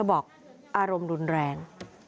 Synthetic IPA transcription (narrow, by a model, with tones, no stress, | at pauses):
bɔː˨˩k̚ | ʔaː˧ɾo˧mɾu˧nɾɛː˧ŋ